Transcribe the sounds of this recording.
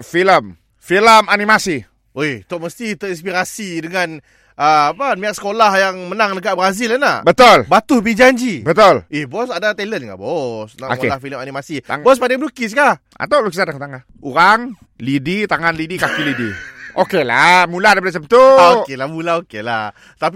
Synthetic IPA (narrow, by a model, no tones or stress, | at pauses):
filəm | filəmanimasi | oit̪ʊʔməst̪it̪əinspiɾasidəŋan | əapamĩaʔ̚sə̥kolahjaŋmənaŋdəɡaʔbəɾazilanabət̪olbat̪ʊhbid͡ʒaɲd͡ʒibət̪ʊlihbɔsadat̪ɛlənka̰bɔsnao̰kelahfiləmanimasiŋbɔs̬padaŋbəlukis̬ka | a̰t̪alukisadakt̪aŋa | uɾaŋ | lidit̪aŋanlidikakilidiʔokelamuladapadat͡ʃəmt̪uaokelahmulaokelah | t̪api